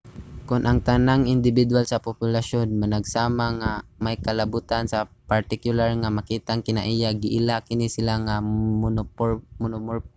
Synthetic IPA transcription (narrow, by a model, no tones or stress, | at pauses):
kʊnʔaŋt̪anaŋɪnd̪ɪbɪd̪walsapʊpjʊlaʃonmanaɡsaːmaŋamajkalabut̪ansapaɾt̪ɪkjʊlaɹŋamakiːt̪aŋkɪnaʔijaɡɪʔɪlakɪnisɪlaŋa | mʊnʊmoɹ